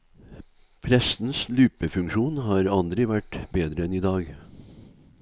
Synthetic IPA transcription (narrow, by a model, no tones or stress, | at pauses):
pʰɾɛsn̩slʉːpəfʉŋkʃuːnhɑːɾɑld̪ɾɪʋæʈbeːd̪ɾəɛniːd̪ɑːɡ